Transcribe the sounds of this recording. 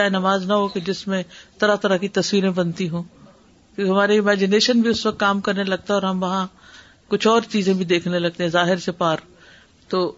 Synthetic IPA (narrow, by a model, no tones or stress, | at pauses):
aːenɐmaːznɐɦoked͡ʒɪsmẽt̪ɐɾat̪ɐɾakit̪ɐsʋiːɾẽbɐnt̪iɦũː | kjõːeɦɐmaːɾeɪmɛːd͡ʒɪneːʃənbʱiʊsʋɐk̚t̪kaːmkɐɾnelɐɡ̚t̪aɦɛɔːɾɦɐmʋɐɦã | kʊt͡ʃʰɔːɾt͡ʃiːzẽbʱid̪eːkʰnelɐɡ̚t̪eɦɛ̃zaːɦɪɾsepaːɾ | t̪oː